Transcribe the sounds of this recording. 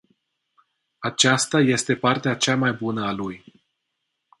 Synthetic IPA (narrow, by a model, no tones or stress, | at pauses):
at͡ʃast̪aje̞st̪e̞part̪eat͡ʃamajbunəaluj